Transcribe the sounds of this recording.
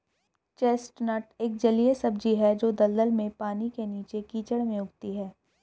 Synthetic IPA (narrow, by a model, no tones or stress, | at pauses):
t͡ʃeːsʈnəʈeːk̚d͡ʒɐliesɐb̚d͡ʒiɦɛd͡ʒoːd̪ɐld̪əlmẽpaːnikeniːt͡ʃekiːt͡ʃəɽmẽʊɡt̪iɦɛː